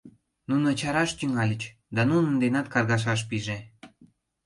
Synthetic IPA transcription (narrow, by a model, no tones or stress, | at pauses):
nunot͡ɕɑɾɑʃt̪yŋɑlʲət͡ɕ | d̪ɑnunənd̪enɑt̪kɑrɣɑʃ̬ɑʃ̬piʒe